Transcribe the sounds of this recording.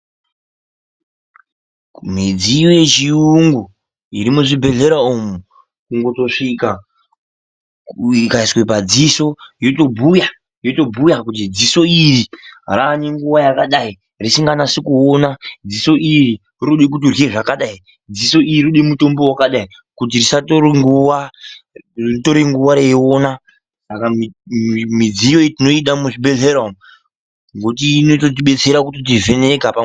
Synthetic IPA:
mid͡zijojet͡ʃiuŋɡu | iɾimuʐibʱe̞ɮe̞ɾaomu | kuŋɡo̞to̞ʂika | kikaiswe̞pad͡ziso̞joto̞bʱuja | joto̞bʱujakut̬id͡ziso̞iriraniŋɡuwajakaɗai | risiŋɡanasikuonad͡ziso̞ʔiri | ruɗek̬ut̬irweʐakaɗai | d͡ziso̞ʔiiruɗemuto̞mbowakaɗai | kut̬irisatoɾiŋɡuʋa | rito̞ɾiŋɡuʋaɾeeona | saka | mid͡zijo̞itino̞iɗamuʐibe̞ɮeɾom | ŋɡotinot̬ot̬iɓe̞t͡se̞ɾakutit̬ive̞nekapa

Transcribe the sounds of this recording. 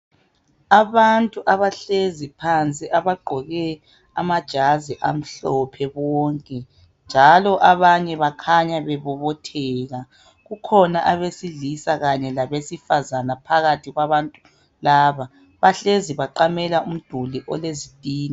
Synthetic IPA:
aβantʼuʔaβaɬezipʰant͡sʼiʔaβaɡ͡ǃʱɔɣɛ | a̰mad̥ʒ̥ʱaziʔa̰m̩ɬɔpʰɛβɔːŋkʼɛ | nd͡ʒʱalɔʔaβaɲɛβakʰaɲaβɛβɔβɔtʰɛːɣa | ɣukʰɔnaʔaβesiɮisaɣaɲɛlaβesifazanapʰaɣatʰiɣwaβantʼu | laːβa | βaɬeziβaǃamɛlaʔum̩d̥ʱuliʔɔ̰lezitʼiːni

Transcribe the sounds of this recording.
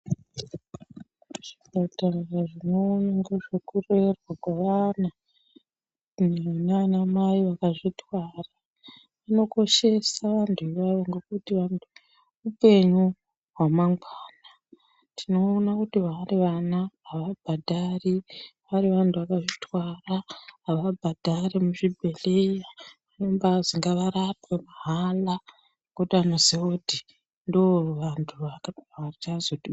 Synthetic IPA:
ʐ̥ibʱatararaʐino̞ɲaŋɡeʐekurerwakwaʋana | neanamaiʋakaʐitʰwaːra | ʋano̞ko̞ʃe̞saʋantʰuiʋaʋo̞ŋɡe̞kutiʋantʰu | upe̞ɲu | ɦwamaŋɡwaːna | tʰino̞ːnakutiʋaːriʋanaːʋabʱadʱariʋaɾiʋantʰuʋakaʐitwaraɦːʋabʱadʱaɾemuʐibʱe̞lejaʋanombaziŋɡaʋaɾapwemaɦala | ŋŋɡekutianozioti | ndooruʋantʰuraat͡ʃazoti

